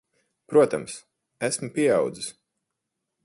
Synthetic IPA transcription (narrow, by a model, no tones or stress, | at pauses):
pɾuɔt̪ams | æsmupʲiɛɑwd̪zis